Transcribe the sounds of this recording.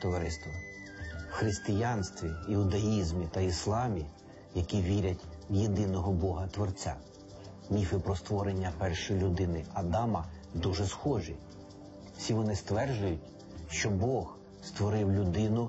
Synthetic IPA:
t̪ɔʋɐɾɪst̪ʋɐ | wxɾɪst̪ɪjɑnst̪ʋʲiɪʊd̪ɐizmʲit̪ɐislˠɑmʲi | jɐkʲiʋʲiɾʲɐtʲwjed̪ɪnɔɦɔbɔɦɐt̪ʋɔrt͡sʲa̰ | mʲifɪpɾɔst̪ʋɔɾenʲːɐpɛrʃɔjlʲʊd̪ɪnɪɐd̪ɑmɐ | d̪uʒɛsxɔʒḭ̥ | sʲiʋɔnɪst̪ʋɛrd͡ʒʊjʊtʲ | ʃt͡ʃɔbɔɣ | st̪ʋɔɾɪwlʲʊd̪ɪnʊ

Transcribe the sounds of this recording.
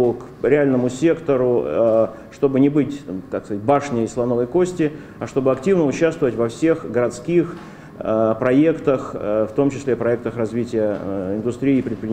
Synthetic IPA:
ʊk | ɾʲɪalʲnəmʊsʲe̞kt̪əɾʊ | ʂt̪o̞bɨnʲɪbɨtʲkakskɐzat̚ʲbaʂnʲɪjəslˠɐno̞vəjko̞sʲtʲɪ | ɐʂt̪o̞bɨɐktʲivnəʊt͡ɕːast̪vəvətʲvɐfsʲe̞xɡəɾɐt̪skʲix | əpɾɐe̞kt̪əxft̪o̞mt͡ɕɪsʲlʲepɾɐɛk̚t̪əxrɐzvʲitʲɪjəɪnd̪ʊst̪ɾʲiːpɾʲɪt̪̚pɾʲɪnʲ

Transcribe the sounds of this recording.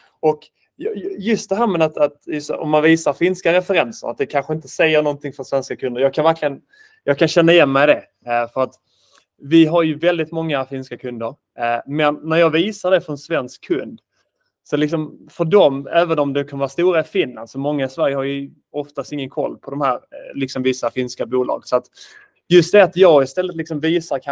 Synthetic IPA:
ɔk | jjjɵst̪̚d̪ɛɦæːɾmɛd̪at̪at̪jɵst̪ɔ̰mːanviːsaɾfɪnskaɾɛfɛɾɛnsə̰ɾa̰t̪̚d̪ɛkʰanɧəɪnt̪əsɛjːəɳɔnt̪ʰɪŋfœsvɛnskakʰɵnd̪əɾjɑːɡkʰanvæɾkʰlɪɡən | jɑːɡ̚kʰanɕɛnːajɛnːmɛɪd̪ɛ | fœɾat̪ | vɪɦaɾjɵvɛld̪ɪt̪mɔŋːafɪnskakʰɵnd̪əɾ | mɛnːæɾjɑːɡviːsaɖɛfɾɔnsvɛnskʰːɵnd̪ | sɔlɪksɔmfœɖɔmæːvənɔmd̪ɛkʰanvɑːst̪uːɾaɪfɪnland̪sɔmɔŋːaɪsvæɾjəhaɾjɵ | ɔft̪ast̪ɪŋːənkʰɔ̰lːpʰɔd̪ɔmhæːɾlɪksɔmvɪsːafɪnskabuːlɑ̰ːɡəsɔat̪ | jɵst̪̚d̪ɛat̪jɑːɡɪst̪ɛlːət̪lɪksɔmviːsaɾkʰa

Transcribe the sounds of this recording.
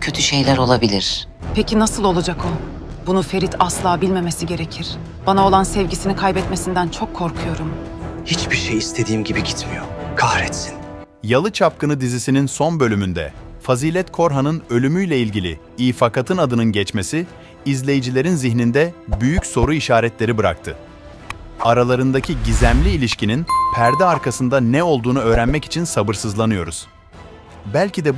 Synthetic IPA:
cʰøt̪ʰyʃe̞jlʲæɾo̞lˠabilʲiɾ̥ | pʰecʰinasɯlˠo̞lˠad͡ʒakʰo | bunufe̞ɾit̪ʰaslˠaːbilʲme̞mesiɟe̞ɾecʰiɾ̥ | b̥anao̞lˠansɛvɟisinikʰajbɛt̪mesind̪ænt͡ʃʰo̞kʰːo̞ɾkʰujo̞ɾum | hit͡ʃbiɾʃejist̪ʰe̞d̪iːmɟibiɟit̪mijoɾkʰahɾɛt̪sin | jalˠɯt͡ʃʰap̚kɯnɯd̪izisininso̞nbø̞lʲymynd̪ɛ̰faziːlʲɛt̪kʰo̞ɾɦanɯnø̞lʲymyjlʲɛilʲɟilʲḭ | iːfakʰat̪ʰɯnad̪ɯnɯnɟɛt͡ʃmesiː | zlʲe̞jid͡ʒilʲe̞ɾinziçnind̪ɛbyjycso̞ɾuiʃaːɾɛt̪lʲe̞ɾibɯɾa̰k̚t̪ʰɯ | aɾalˠaɾɯnd̪acʰiɟizæmlʲiːlʲiʃcininpʰæɾd̪ɛaɾkʰasɯnd̪anɛo̞lˠd̪uːnuø̞ːɾænmɛci̥t͡ʃʰinsabɯɾsɯzlˠanɯjo̞ɾuz̥ | bælʲcʰid̪ɛ

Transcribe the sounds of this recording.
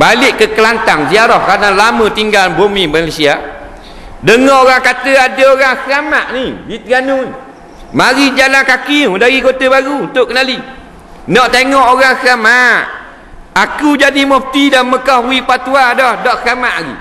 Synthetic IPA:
balɪʔkəkəlant̪aŋziaɾɔhkaənalamə̃t̪iŋɡalbomimalesia | dəŋɔhoɣaŋkat̪əadəoɾaŋsəamaʔnidit̪əɡanun | maɾid͡ʒalankakiudaɣikot̪əbaɾuunt̪ʊʔkənali | nɔʔt̪eŋɔʔoɾaŋsəamaʔ | akud͡ʒadimɔf̚t̪idanməkɔhwipat̪uadɔhdɔʔsəamaʔaɡḭ

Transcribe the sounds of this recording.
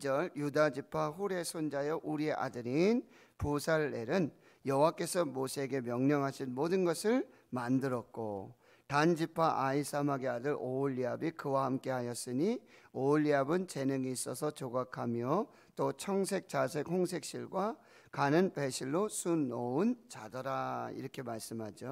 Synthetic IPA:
d͡ʑʌɭjudad͡ʑipʰaɸuɾe̞sʰond͡ʑajʌʔuɾie̞ʔa̰dɯɾin | pusʰaɭːe̞ɾɯn | jʌwak͈e̞sʰʌmosʰeɡe̞mjʌŋɲʌŋɦaɕʰinmodɯnɡʌsʰɯɭ | mandɯɾʌt̚k͈o̰ | tand͡ʑipʰaʔaisʰamaɡeadɯɾoʎːiabikɯwahamk͈e̞ɦajʌs͈ɯɲioʎːiabɯnt͡ɕe̞nɯŋiːs͈ʌsʰʌt͡ɕoɡakʰamjʌ | t͈ot͡ɕʰʌŋsʰe̞k̚t͡ɕ͈asʰekhoŋsʰe̞k̚ɕ͈iɭɡwa | kanɯnpe̞ɕʰiɭːosʰunount͡ɕa̰dʌɾaḭɾʌkʰe̞maɭs͈ɯmɦad͡ʑo

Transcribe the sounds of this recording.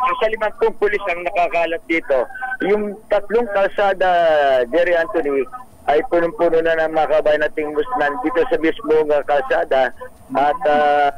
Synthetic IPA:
sɛsɐlɪmɐŋpʊŋpʊlɪsɐŋnɐkakalɐp̪̚d̪iːt̪o̞jʊŋt̪ɐt̪̚loŋkɐlsaːd̪ɐd͡ʒɛɾɪʔant̪oni | ʔɐjpunʊŋpuːnonɐnɐŋmɐɐkɐbaːjnɐt̪ɪŋmʊsnɐnd̪iːt̪o̞sɐmismoŋɐkɐlsaːd̪ɐ | ʔɐt̪ɐ

